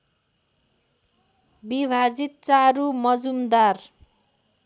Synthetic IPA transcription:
bibʱad͡zit̪̚t͡saɾumʌd͡zumd̪ar

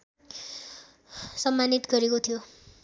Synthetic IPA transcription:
sʌmːanit̪ɡʌɾekot̪ʰijo

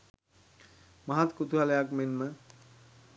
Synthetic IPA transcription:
mɐɦat̪kut̪ualəjakmenme

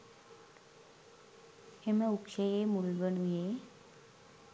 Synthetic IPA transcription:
eməukʃejemulɡəɳuje

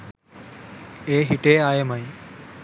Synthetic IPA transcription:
eːɦɪʈeːaːjemaːĩ

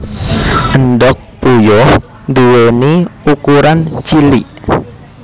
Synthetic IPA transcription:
ʔənɖɔk̚ːujɔ | nd̪uweniukuɾant͡ʃiliʔ

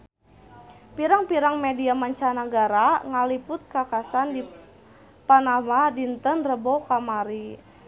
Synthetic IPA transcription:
piɾaŋpiɾaŋmediamaɲt͡ʃanaɡaɾaŋalipʊt̪̚kakasandi | panamadint̪ənrəbokamaɾi

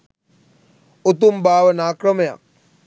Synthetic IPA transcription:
ut̪umbaːʋənaːkrəməja̰k̚

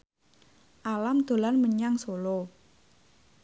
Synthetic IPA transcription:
ʔalamd̪̥o̤lanməɲaŋsolo

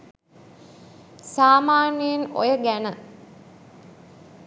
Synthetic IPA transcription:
saːmaːnijəno̰jəɡænə

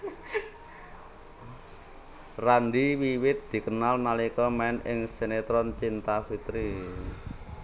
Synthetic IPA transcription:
ranɖiwiwɪt̪̚d̪̥i̤kənalnalikɔmaɪnɪ̰ŋsenet̪ɾɔnt͡ʃint̪afit̪ɾi

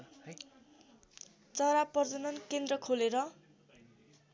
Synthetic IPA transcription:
t͡sʌɾapʌrd͡zʌnʌnkend̪rʌkʰoleɾʌ

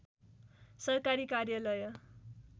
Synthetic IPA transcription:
sʌrkaɾikarjʌlʌjʌ

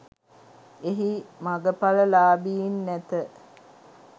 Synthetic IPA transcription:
eɦimaɡəpaləlaːbiːinːæt̪ə

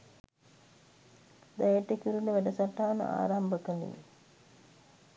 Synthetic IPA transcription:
d̪æjeʈekuɾuləʋæɖəsaʈːaːnə̰a̰ːɾambəkənḭʋḭ

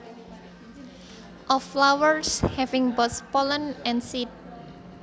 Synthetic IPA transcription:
ʔɔflawəɹshɛvɪ̃ŋbɔspɔlə̃nɛ̃nsit̚

